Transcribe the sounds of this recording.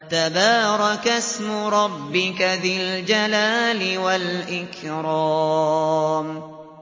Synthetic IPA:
t̪abɑːɾˤɑkasmʊɾˤɑbːɪkaðɪld͡ʒalaːlɪwalʔɪkɾɑː | m

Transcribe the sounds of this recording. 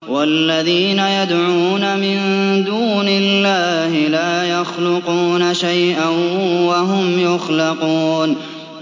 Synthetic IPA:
walːaðiːnajad̪ʕuːnamɪnd̪uːnɪlːaːhɪlaːjaxlʊquːnaʃajʔanwaɦʊmjʊxlɑquːn

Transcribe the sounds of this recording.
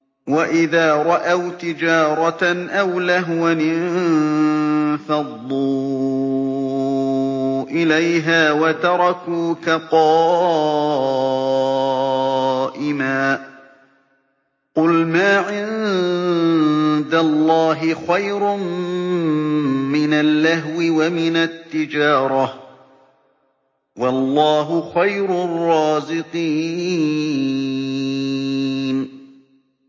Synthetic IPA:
waʔɪðaːɾˤɑʔawt̪ɪd͡ʒaːɾˤɑʔawlaɦwanɪ | fɑðˤːuː | ʔɪlajɦaːwat̪ɑɾˤɑkuːkaqɑː | ʔɪmaː | qʊlmaːʕɪn | d̪alˤːɑːɦɪxajɾʊm | mɪnalːaɦwɪwamɪnat̪ːɪd͡ʒɑːɾˤɑh | wɑlˤːɑːɦʊxajɾʊrˤːɑːzɪqiː | n

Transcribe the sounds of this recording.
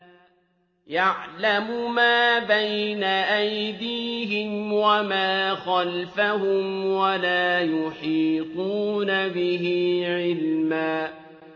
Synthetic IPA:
jaʕlamʊmaːbajnaʔajd̪iːɦɪmwamaːxalfahʊmwalaːjʊħiːquːnabɪɦiʕɪlmaː

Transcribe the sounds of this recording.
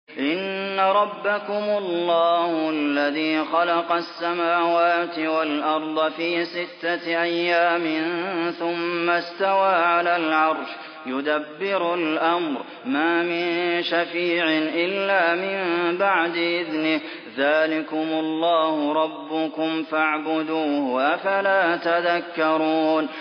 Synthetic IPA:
ʔɪnːaɾˤɑbːakʊmʊlːɑːhʊʔalːaðiːxɑlɑqɑsːamaːwaːt̪ɪwalʔɑɾˤd̪ˤɑfiːsɪt̪ːaʔajːaːmɪnθʊmːast̪awaːʕalaːlʕɑɾˤʃ | jʊd̪abːɪɾʊlʔamɾ | maːmɪnʃafiːʕɪʔɪlːaːmɪmbaʕd̪ɪʔɪðnɪh | ðaːlɪkʊmʊlˤːɑːhʊɾˤɑbːʊkʊmfaʕbʊd̪uːhʔafalaːt̪aðakːɑɾˤuːn

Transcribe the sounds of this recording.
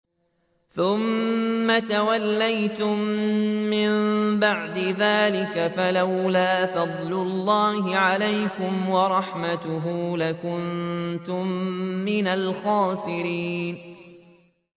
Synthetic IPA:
θʊmːat̪awalːajt̪ʊmː | ɪmbaʕd̪ɪðaːlɪkafalawlaːfɑd̪ˤlʊlːɑːhɪʕalajkʊmwɑɾˤɑħmat̪ʊɦuːlakʊnt̪ʊmːɪnalxɑːsɪɾiːn

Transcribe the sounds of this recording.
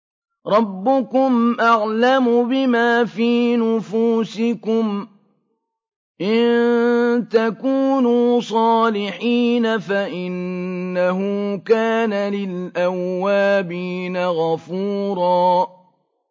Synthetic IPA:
ɾˤɑbːʊkʊmʔaʕlamʊbɪmaːfiːnʊfuːsɪkʊm | ʔɪnnt̪akuːnuːsˤɑːlɪħiːnafaʔɪnːaɦʊːkaːnalɪlʔawːaːbiːnaɣafuːɾˤɑː

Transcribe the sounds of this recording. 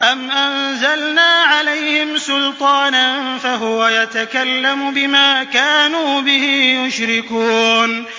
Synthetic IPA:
ʔamʔanzalnaːʕalajhɪmsʊlt̪ˤɑːnanfaɦʊwajat̪akalːamʊbɪmaːkaːnuːbɪhɪjʊʃɾɪkuːn

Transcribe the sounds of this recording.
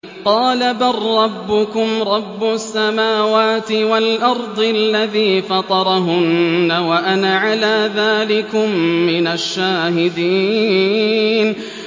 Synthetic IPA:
qɑːlabɑrˤːɑbːʊkʊmɾˤɑbːʊsːamaːwaːt̪ɪwalʔɑɾˤd̪ˤɪʔllːaðiːfɑt̪ˤɑɾˤɑɦʊnːawaʔanaʕalaːðaːlɪkʊmːɪnaʃːaːɦɪd̪iː | n

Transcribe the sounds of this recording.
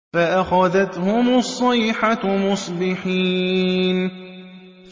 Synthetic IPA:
faʔaxaðat̪hʊmʔɑsˤːɑjħamʊsˤbɪħiːn

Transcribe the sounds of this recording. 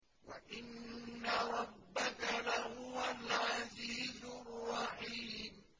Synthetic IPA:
wa̰ʔɪnːaɾˤɑbːakalahʊwalʕaziːzʊrːɑħiːm

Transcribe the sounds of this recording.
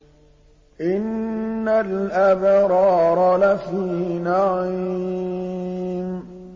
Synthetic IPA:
ʔɪnːalʔabɾˤɑːɾˤɑlafiːnaʕi | m

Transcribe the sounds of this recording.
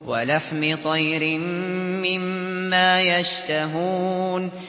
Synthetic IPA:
walaħmɪt̪ˤɑjɾɪmːɪmːaːjaʃt̪aɦuːn

